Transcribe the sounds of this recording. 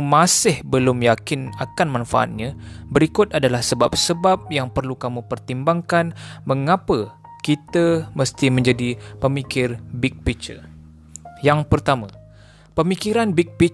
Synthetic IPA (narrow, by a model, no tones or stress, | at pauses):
mãsɪhbəlʊmjakɪnakanmãnfaʔa̰t̪̚ɲãbəɾikʊt̪̚adalahsəbap̚səbap̚jaŋpərlukamũpərt̪imbaŋkanməŋapə | kit̪əməst̪imə̃ɲd͡ʒadipəmikɪrbik̚pit͡ʃə | jaŋpərt̪amã | pəmikiɾanbik̚pi